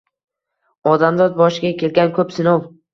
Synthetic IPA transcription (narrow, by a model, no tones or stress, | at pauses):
ɒd̪amd̪ɒd̪̚bɒʃɪɡʲakʲe̞lɡʲankʰɵpsɪnow